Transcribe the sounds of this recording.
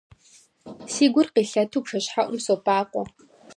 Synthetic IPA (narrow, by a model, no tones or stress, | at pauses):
siːɡʷʊrqiːɬɐtʰuːpʂɐɕħaʔʷʊmsoːpʰaːqʷɔ